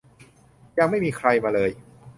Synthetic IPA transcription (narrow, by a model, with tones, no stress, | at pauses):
ja˧ŋma˥˩jmiː˧kʰɾa˧jmaː˧lɤː˧j